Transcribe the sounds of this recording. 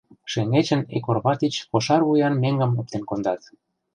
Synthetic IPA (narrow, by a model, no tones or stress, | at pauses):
ʃeŋet͡ɕə̆nḛkorβɑt̪it͡ɕpoʃɑrβujɑnmeŋɡə̆mop̚t̪enkond̪ɑt̪